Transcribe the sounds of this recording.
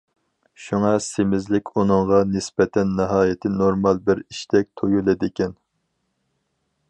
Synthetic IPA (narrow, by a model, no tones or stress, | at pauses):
ʃuŋɑsemɪzlɪkʲunɨŋʁɑnɪsbɛt̪ʰɛnːɨɦɑːjɪt̪ʰɪnoɾmɑlˠbɪɾiʃt̪ʰɛk̚ʲt̪ʰojulˠɨd̪ɪkʲɛn